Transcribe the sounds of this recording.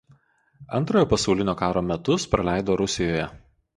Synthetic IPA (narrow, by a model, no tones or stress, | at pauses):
ɐnˑt̪ɾoːjoːpɐsɐʊlʲɪnʲoːkɑːɾoːmʲɛt̪ʊspɾɐlʲæˑɪd̪oːɾʊsʲɪjoːjɛ